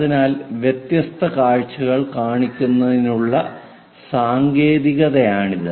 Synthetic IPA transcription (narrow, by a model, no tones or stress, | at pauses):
ðinaːlʋjet̪jɐst̪ʰɐkaːɻt͡ɕːuɣɐɭkaːɳikʲːunːɐðinuɭːɐ | saːŋɡe̞ːðiɣɐðɐjaːɳiðɨ